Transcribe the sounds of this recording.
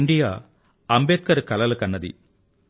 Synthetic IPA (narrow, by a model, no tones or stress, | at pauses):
ɳɖijaː | ɐmbeːt̪̚kɐɾkɐlɐlɐkɐnːɐd̪ḭ